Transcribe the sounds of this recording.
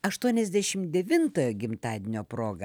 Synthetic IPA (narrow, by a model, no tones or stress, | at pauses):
ɐʃt̪uɔnʲɛzʲd̪ʲæʃʲɪmd̪ʲɛʋʲɪnt̪oːjoːɡʲɪmt̪ɑːd̪ʲɪnʲoːpɾoːɡɐ